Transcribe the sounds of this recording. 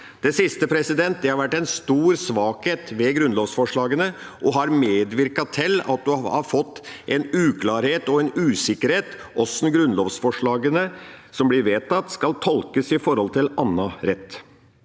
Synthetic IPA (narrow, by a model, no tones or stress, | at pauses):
d̪̥ɛsɪst̪əpʰɾɛsɪd̪ɛnt̪̚d̪ɛhɑɾʋæʈːɛnst̪uːɾsʋɑːkheːt̪ʋɛɡɾʉnloːʋsfɔʂɭɑːɡənə | ʔɔɦɑɾmeːd̪ʋɪɾkɑt̪ʰɪlːɑ̰t̪̚d̪ʉhɑ̰ɾfɔt̪ːʔɛnʉːkʰlɑːɾheːt̪ɔɛnʉːsɪkəɾheːt̪ | ʔɔsnɡɾʉnloːʋsfɔʂɭɑːɡənəsɔmblɪɾʋeːt̪ʰɑt̪ːskɑlt̪ʰɔlkəsɪfɔɾhɔlt̪ʰɪlɑnːɑɾɛt̪ː